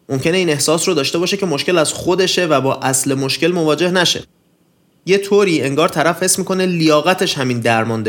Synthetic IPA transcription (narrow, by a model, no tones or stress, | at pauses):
mo̞mcʰe̞ne̞iːne̞hsɒːsrod̪ɒːʃt̪e̞bɒːʃecʰe̞moʃce̞læz̥xod̪e̞ʃe̞væbɒːʔæsle̞moʃce̞lmo̞vɒːd͡ʒe̞hnæʃe̞̰ | jet̪ʰoːɾiːe̞ŋɡɒːɾt̪ʰæɾæfhe̞smiːko̞ne̞lijɒːɣæt̪ʰe̞ʃhæmiːnd̪æɾmɒːnd̪e